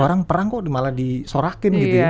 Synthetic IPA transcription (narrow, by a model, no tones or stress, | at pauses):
oɾaŋpəɾaŋkɔʔdimaladisoɾakɪnɡit̪uja